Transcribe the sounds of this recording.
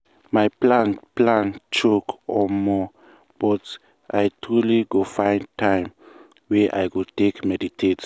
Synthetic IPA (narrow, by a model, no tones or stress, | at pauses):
majplãnplãnt͡ʃokʰɔmɔ | b̥ɔt | ʔajtʰɹuliɡofãɪ̃ntʰãj̃m | wɛʔa̰jɡotekmɛditʰet